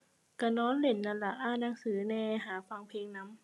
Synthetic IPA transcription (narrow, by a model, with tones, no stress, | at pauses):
ka˧˩nɔː˦˥nle˨˩˦nːa˧˦nla˧ʔaː˧˥˨na˧˦ŋsɯː˩˦nɛː˧ɦaː˨˦fa˧ŋpʰeː˧ŋna˧˦˥m